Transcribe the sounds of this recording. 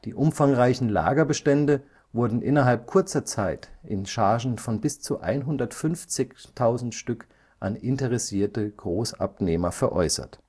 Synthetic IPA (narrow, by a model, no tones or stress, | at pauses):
d̥iːʔʊmfaŋʁaɪçn̩la̰ːɡɐbəʃtɛndə | vʊɐdn̩ʔɪnɐɦalp̚kʰʊɐt͡sɐt͡saɪtʔɪnʃaɐʒn̩fɔnbɪst͡suʔa̰ɪnɦʊndɐtfʏnft͡sɪçtʰaʊzn̩tʃtʏk | ʔanɪntəʁɛsiːɐtəɡ̥ʁoːsa̰pneːmɐfɛɐʔɔ̰ʏsɐ̰t